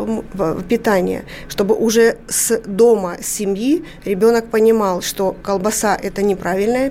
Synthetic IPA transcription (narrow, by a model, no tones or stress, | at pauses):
vpʲɪt̪anʲɪ̰jə̰ʂt̪o̞bɨʔʊʐɛsd̪o̞məsʲɪmʲji | ɾʲɪbʲo̞nək̚pənʲɪmɑlˠʂt̪o̞kəlˠbɐsaʔɛt̪ənʲɪpɾavʲɪlʲnəjə